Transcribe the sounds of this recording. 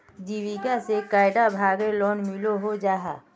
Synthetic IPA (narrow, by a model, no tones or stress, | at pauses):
d͡ʒiːʋiɡasekaːɪɖabʱaːɡelɔːnmɪloɦod͡ʒaːɦa̰ː